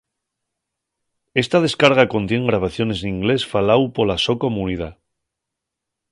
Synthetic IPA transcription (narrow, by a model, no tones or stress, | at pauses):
e̞st̪að̞e̞skaɾɣ̞ako̞nt̪je̞ŋɡɾaβ̞aθjo̞ne̞sniŋɡle̞sfalawpo̞lasoko̞muniða